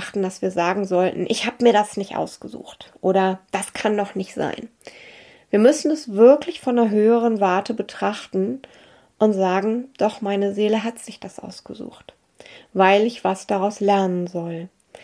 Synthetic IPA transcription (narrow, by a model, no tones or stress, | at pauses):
χtn̩d̥asv̥iːɐzaːɡŋ̩zɔltn̩ʔɪçhaːbəmiːɐdasnɪçtʔa̰ʊsɡ̥əzṵːxtʔoːɾɐd̥askʰanːɔχnɪçtz̥a̰ɪn | viːɐmʏsn̩ɛsv̥ɪɐklɪçfɔndɐɦøːəʁ̞ənvaɐtəbətʁ̥aχtn̩ | ʔʊntz̥aːɡŋ̩d̥ɔχmaɪnəzeːləɦatz̥ɪçd̥asʔa̰ʊsɡ̥əzṵːxt | vaɪlɪçv̥asd̥aʁaʊslɛɐnənzɔl